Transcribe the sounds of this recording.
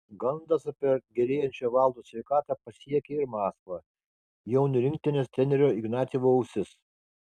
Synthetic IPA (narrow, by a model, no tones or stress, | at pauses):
ɡɐnd̪ɐsɐpʲɛɡʲɛlʲeːjɛnʲt͡ʃʲoːʋɑˑlˠd̪oːsʲʋʲɛɪkɑːt̪ɑpɐsʲiɛkʲeɪɾmɑːskʋɐ | jɛʊnʲʊɾʲɪŋʲkt̪ʲɪnʲest̪ʲɾʲɛnʲɛɾʲoːɪɡnɑːt̪sʲiʋoːɐʊsʲɪs